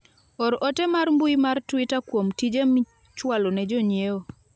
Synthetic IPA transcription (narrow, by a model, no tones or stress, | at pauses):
ɔɾʔɔtɛmarmbuimartwitakwomtid͡ʒemi | t͡ʃwalonɛd͡ʒɔɲjeo